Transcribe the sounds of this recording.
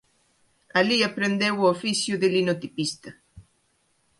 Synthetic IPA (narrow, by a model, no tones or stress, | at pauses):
aliapɾend̪ewofisjʊðelinot̪ipist̪a